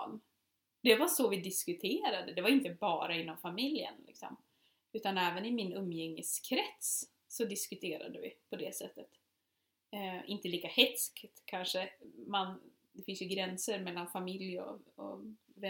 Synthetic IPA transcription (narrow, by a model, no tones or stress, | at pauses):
n | d̪̥ɛvaʂɔvɪd̪ɪskɵt̪ʰeːɾad̪əd̪ɛvaɾɪnt̪əbɑːɾaɪnːɔmfamɪljə̰nlʔɪ̰ksɔ̰m | ʉ̟ːt̪anɛːvənɪmɪnɵmːjɛŋːəskʰɾɛt̪s | sɔd̪ɪskɵt̪ʰeːɾa̰d̪əvɪ̰pʰɔd̪ɛsɛt̪ːət̪ | ʔɪnt̪əliːkahɛt̪skt̪kʰanʂəman | d̪ɛfɪnsjɵɡɾɛnsəɾmɛlːanfamɪljɔ̰ɔ̰vɛ